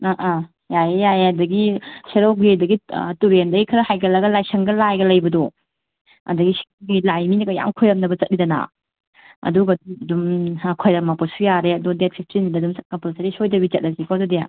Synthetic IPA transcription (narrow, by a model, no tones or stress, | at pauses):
aʔa | jajejajeɐdɐɡiseɾoɡedɐɡituɾendɐɡikʰɐɾɐhajɡɐlɐɡɐlajsɐŋɡɐlajɡɐlɐjbɐdɔ | ɐ̰dɐɡiseɡilajminɐɡɐja̰ŋkʰojɐmnɐbɐt͡ʃɐt̚nidɐna̰ | ɐ̰duɡɐduɐdumkʰojdamapɔsujaɾeɐdɔdet̚pʰik̚tɾinidɐdumskapasaɾisojdɐbit͡ʃɐt̚nɐzikʰɔdɔdeja̰